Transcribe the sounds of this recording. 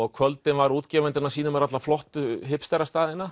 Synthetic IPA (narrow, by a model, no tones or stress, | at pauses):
ɔɣkʰvœlt̪ɪnvaɾuːt̪cɛːvɛnt̪ɪnasiːnʏmɛɾat̪laflɔht̪ʏɦɪpst̪ɛɾast̪aːðɪnːa